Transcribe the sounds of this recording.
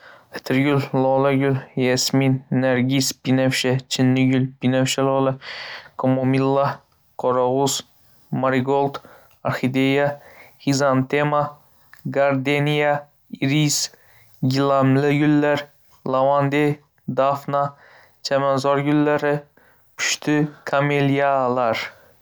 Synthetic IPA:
ɪ̥t̪ʰɪɾɡʲʊllɔlaɡʲʊljesminːeɾɡʲispinɛfʃɛt͡ʃʰɪnːɪɡʲʏlpinafʃalɔlˠakʰomomilˠːa | kʰɔɾɑʁus | maɾiɡolˠt̪ | aɾxid̪ejaχizant̪ema | ɡaɾd̪enija | iɾis | ɡʲilamlɪɡʊlːaɾ | lavand̪e | d̪afna | t͡ʃʰamanzɒɾɡʊlːaɾɪ | pʰʊ̥ʃt̪ʰɪkʰamelijalaɾ

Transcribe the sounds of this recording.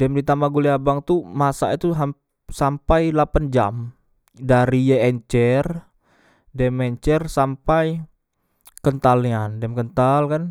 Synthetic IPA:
dɛmdit̪amaɡuliabaŋt̪umasa̰it̪uɦa | sampajlapand͡ʒa̰m | daɾijɛɛɲt͡ʃɛr | dɛmɛɲt͡ʃɛrsampaj | kənt̪aliandɛmkənt̪alkan

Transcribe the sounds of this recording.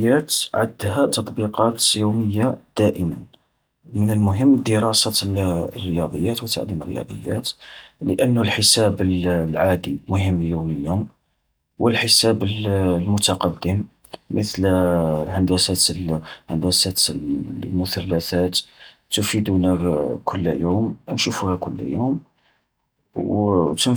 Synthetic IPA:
jæt̪ʕa̰d̪hæt̪ɑt̪ˤbiqɑt̪juməjːad̪̥æʔəmən | mənəlmʊɦəmːd̪əɾˤɑsarːəjɑd̪ˤəjːæt̪wət̪ːa̰ʕd̪imərːə̰jɑ̰d̪ˤə̰jːæ̰t̪ləʔənːʊlħəsæbəllʕad̪imʊɦəmːljuməljum | wəlħəsæbəllmʊt̪ɑqɑd̪ːəmː | ət̪lhənd̪æsæt̪lhənd̪æsæt̪ | mʊθælːæθæt̪ | t̪ufid̪unækʰʊlːjumnʃufuhækʊlːjum | wt̪ən

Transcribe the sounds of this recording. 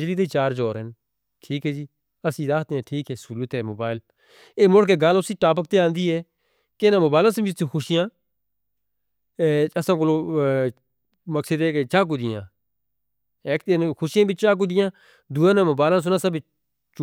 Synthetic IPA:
d͡ʒliːt̪eiːt͡ʃaːɾd͡ʒɔːɾɦɛn | ʈʰiːkɦɛːd͡ʒiː | əsĩːɾaːkʰt̪eːãːʈʰiːkɛːsuːlut̪ɛːmoːbaːɪl | eːmʊɽkeːɡaːlʊsiːʈaːp̬ək̚t̪eːãːnd̪iːɦɛː | kenãːmoːbaːɪlaːsəbɪt͡ʃt̪ʰĩːxʰʊʃɪjãː | əsãːk̬oloː | məksəd̪ɛːket͡ʃaːk̬ʊd̪ɪjãː | eːk̚t̪enːkʰʊʃɪjãːbɪt͡ʃt͡ʃaːk̬ʊd̪ɪjãː | d̪uːãːnãːmoːbaːɪlãːs̬ʊnãːsəb | t͡ʃ

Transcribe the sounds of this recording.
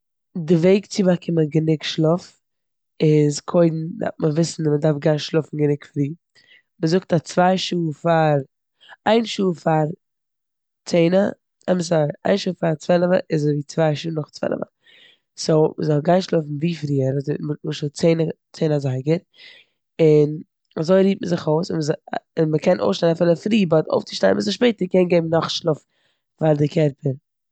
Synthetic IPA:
dɪveɪkt͡sɪbakʰɪməɡənɪkʃlˠʊf | ɪzkʰoɪdn̩a̰məvɪsn̩mədaɾfɡaɪnʃlˠʊfn̩ɡənɪkfɾiː | məzʊk̚tat͡svaɪʃuːfaɾ | aɪnʃuːfaɾ | t͡seɪnə | ɛməs̬aa̰ɪnʃuːfaɾt͡svɛlˠəvəʔɪzviːt͡svaɪʃuːnʊχt͡svɛ̰lˠə̰və̰ | soməzɔlˠɡaɪʃlˠoɪfn̩viːfɾiːəɾzmʊʃot͡seɪnət͡seɪnazaɪɡəɾ | ɪn | azoɪɾiːp̚məzɪχoʊsɪməzɪnməkʰɛnʔo̰ʊsʃtaɪnafɪlˠəfɾiːbɔto̰ʊft͡sɪʃtaɪnmzɪʃpeɪtəɾkɛnɡeɪmnɔχʃlʊf | faɾdɪkʰɛɾpəɾ

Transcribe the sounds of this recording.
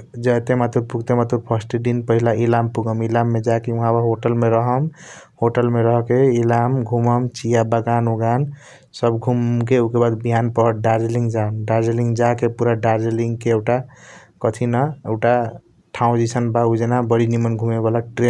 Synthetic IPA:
d͡ʒət̪emat̪uɾpuɡt̪emat̪uɾpʰəsʈɖinpəɦilailampuɡəmilamːed͡ʒakeuɦãbəɦoʈəlmeɾəɦəmhoʈəlmeɾəɦkeilamɡʱuməmt͡ʃijabəɡanoɡan | səbɡʱumkeukebad̪biɦanpəɦɖaɾd͡ʒeliŋɡd͡ʒamɖaɾd͡ʒeliŋɡd͡ʒakepuɾaɖaɾd͡ʒelĩŋɡkeeʈakət̪ʰinaeɡʈa | ʈʰãũd͡ʒisənbaud͡ʒenabəɽinimənɡʱumeβalaʈɾen

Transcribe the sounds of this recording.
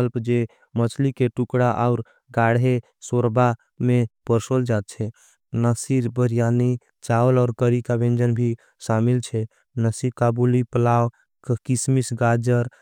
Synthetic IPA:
əlpd͡ʒe | mət͡ʃʰlikeʈukɽaʔaʊɾ | ɡaɽɦe | soɾba | mepəɾsold͡ʒat̪̚t͡ʃʰɛ | nəsiɾbəɾijani | t͡ʃaolɔːɾkəɾikabẽnd͡ʒənbʱi | samilt͡ʃʰɛ | nəsiɾkabulipəlaw | kkismisɡad͡ʒəɾ

